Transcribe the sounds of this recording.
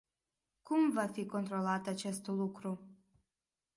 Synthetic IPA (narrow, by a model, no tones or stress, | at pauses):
kumvafiko̞nt̪ɾo̞lat̪at͡ʃe̞st̪lukɾu